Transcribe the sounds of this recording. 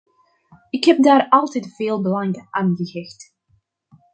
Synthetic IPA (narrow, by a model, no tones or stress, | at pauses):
ɪkhɛp̚daːɾɑlˠtɛtv̥eːlˠbəlɑŋʔaːnɣəɣɪxt